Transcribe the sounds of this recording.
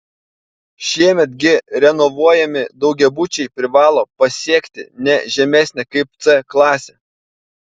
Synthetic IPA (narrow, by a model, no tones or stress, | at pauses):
ʃʲiɛmʲɛt̪ɡʲɪɾʲɛnɔʋuɔjɛmʲɪd̪ɒʊɡʲɛbʊt͡ʃʲɛɪpʲɾʲɪʋɑːlˠoːpɐsʲiɛkʲt̪ʲɪ̰nʲɛʒʲɛmʲæˑsʲnʲɛkɐɪp̚t̪sɛklˠɑːsʲɛ